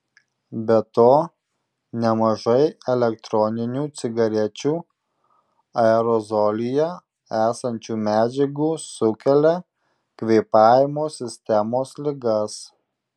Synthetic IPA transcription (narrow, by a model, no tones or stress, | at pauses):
bʲɛt̪oː | nʲɛmɐʒɐɪɛlʲɛkt̪ɾɔnʲɪnʲuːt̪sʲɪɡɐɾʲɛt͡ʃʲuː | ɐɛɾɔzɔlʲɪjɛ | æːsɐnʲt͡ʃʲuːmʲæːd͡ʒʲɛɡuːsʊkʲɛlʲɛ | kʋʲeɪpɑːjɪmoːsʲɪsʲt̪ʲɛmoːslʲɪɡɐs